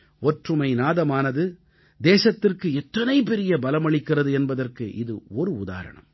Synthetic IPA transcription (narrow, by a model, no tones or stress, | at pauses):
ɔʈrɯmɐɪnaːðɐmaːnɐðɯ | d̪eːsɐt̪ːɪrkɯɛt̪ːɐnɐɪpɛɾɪjɐbɐlɐmɐɭɪkːɪrɐðɯɛnbɐðɐrkɯʔɪðɯ̰ɔɾɯʊða̰ːɾɐ̰ɳɐ̰m